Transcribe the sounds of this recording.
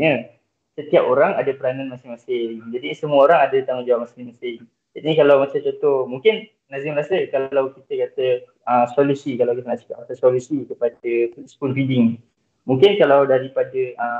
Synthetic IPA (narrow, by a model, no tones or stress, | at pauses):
ɲə | sət̪iapoɾaŋadapəɾananmasɪŋmasɪŋd͡ʒadisəmuəoɾaŋadat̪aŋɔd͡ʒawaʔmasɪŋmasɪŋ | d͡ʒat̪inikalawmasɪt͡ʃot̪ɔmũŋkɪn | nãzɪmɾasəkalawkit̪əkat̪ə | əsɔlusikalawkit̪ənaʔsi̥kap̚kat̪asɔlusikəpadəspunfidɪŋ | mũŋkɪnkalawdaɾipadəə